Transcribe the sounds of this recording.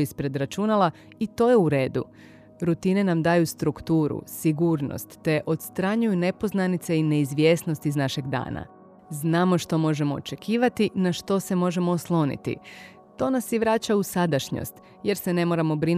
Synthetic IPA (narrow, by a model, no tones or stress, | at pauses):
ispɾe̞d̪ɾat͡ʃunala | it̪o̞ːjeuɾe̞ːd̪ṵ | ɾut̪ine̞namd̪aːjust̪ɾukt̪uːɾṵsiɡuɾno̰st̪ːe̞ʔo̞t̪st̪ɾaɲujune̞po̞znanit̪seine̞izʋje̞ːsno̞st̪iznaʃe̞ɡd̪a̰ːna̰ | znaːmo̞ʃt̪o̞mo̞ʒe̞mo̞o̰t͡ʃe̞kʰiːʋat̪inaʃt̪o̞se̞mo̞ʒe̞mo̞ːslˠo̞nḭt̪ḭ | t̪o̞nasjiʋɾaːt͡ɕausad̪aʃɲo̰st̪ | je̞ɾse̞ne̞mo̞ɾamo̞bɾin